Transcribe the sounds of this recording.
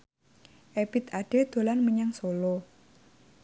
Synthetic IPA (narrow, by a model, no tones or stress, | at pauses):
ʔeb̥it̪̚aɖ̥e̤d̪̥o̤lanməɲaŋsolo